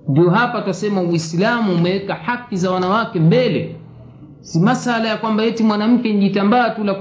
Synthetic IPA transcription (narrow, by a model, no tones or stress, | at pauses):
ndiɔɦapatasɛmawislamuːmɛwɛkahakːizawanawakɛmbɛlɛ | simasalajakwambajɛtimwanam̩kɛniʄitambaːtula